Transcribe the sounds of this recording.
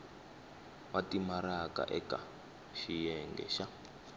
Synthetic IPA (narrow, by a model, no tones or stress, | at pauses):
watimaɾaka̰ʔɛka | ʃijɛŋɡɛ̰ʃa